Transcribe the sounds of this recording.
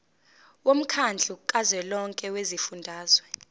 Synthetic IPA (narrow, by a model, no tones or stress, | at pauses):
wom̩kʰand͡ɮʱuǃʼazwɛlɔŋkʼɛwezifundʱaːz̥wɛ